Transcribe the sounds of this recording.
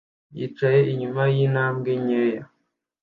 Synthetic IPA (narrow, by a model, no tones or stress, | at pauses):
jḭt͡ʃaje̞iɲumajinaːmɡeɲeːja